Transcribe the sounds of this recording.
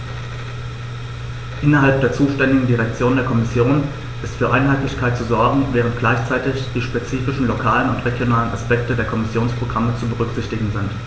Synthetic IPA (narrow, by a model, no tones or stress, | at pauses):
ʔɪnɐɦalp̚d̥eːɐt͡suːʃtɛndɪɡŋ̩diʁ̞ɛk̚t͡sjoːndeːɐkʰɔmɪsjoːn | ʔɪstfyːɐʔaɪnɦaɪtlɪçkʰaɪtt͡suzɔɐɡŋ̩vɛːʁntɡ̥laɪçt͡saɪtɪçd̥iːʃpet͡siːfɪʃn̩lokʰaːlənʊ̰ntʁeɡjonaːlənʔa̰spɛktədeːɐkʰɔmɪsjoːnspʁ̥oɡʁamət͡subəʁ̞ʏkz̥ɪçtɪɡŋ̩zɪnt